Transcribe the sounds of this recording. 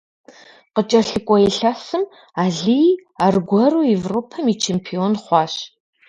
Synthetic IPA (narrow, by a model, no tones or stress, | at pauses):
qət͡ʃʼɐɬɨkʷʼɔɛɬɐsɨm | aːɮiaːrɡʷɔruːevropʰɐmiːt͡ʃʰeːmpʰionχʷɑːɕ